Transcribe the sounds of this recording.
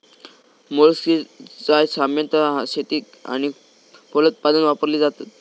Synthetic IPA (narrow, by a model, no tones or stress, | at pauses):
molsit͡sajsamjənt̪əɕet̪iː | a̰ñi | fʰolət̪̚pad̪ənʋapəɾliːd͡zat̪at̪̚